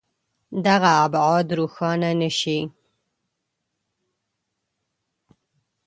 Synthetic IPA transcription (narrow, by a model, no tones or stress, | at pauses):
d̪aɣaːbʕɑd̪ɾuxɑnanəʃi